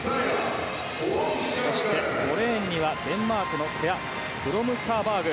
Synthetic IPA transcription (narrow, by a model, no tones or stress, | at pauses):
so̞ɕi̥t̪e̞ɡo̞ɾẽːɲ̟ːiβad̪ẽ̞mːaːkɯ̟no̞k̪ʰeja | kɯ̟ɾo̞mɯ̟skaːbaːɡɯ̟